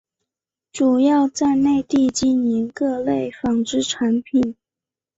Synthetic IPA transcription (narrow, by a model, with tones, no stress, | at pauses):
ʈ͡ʂu˨˩jɑ˥˧ʊt͡sa˥˧ɪne˥˧ɪt̪i˥˧t͡ɕi˥˩nni˧˥nkɤ˥˧le˥˩ɪfɑ˨˩ŋʈ͡ʂɻ̩˥ʈ͡ʂʰa˧˥npʰi˨˩˦n